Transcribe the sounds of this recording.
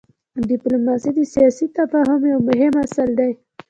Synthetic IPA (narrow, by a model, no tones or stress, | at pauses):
ɖɪplomɑsid̪əsijɑsit̪afɑɦʊmjawmʊɦɪmasald̪aj